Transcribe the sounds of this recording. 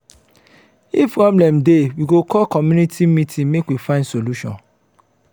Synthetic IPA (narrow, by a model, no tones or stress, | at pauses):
ifpɹɔblɛ̃mdewiɡokʰɔlkɔmjunitʰimĩtʰĩnmekwifãɪ̃ndsoluʃɔ̰̃n